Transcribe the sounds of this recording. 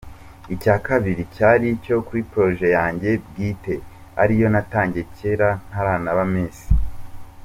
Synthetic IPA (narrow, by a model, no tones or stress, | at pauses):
icaːkaβiɾicaɾico̞kuɾipɾo̞ʒe̞jaːɲɟe̞b̚ɡiːte̞ | a̰ɾijo̞nataːɲɟe̞ce̞ɾan̥haɾaːnaβameːsi̥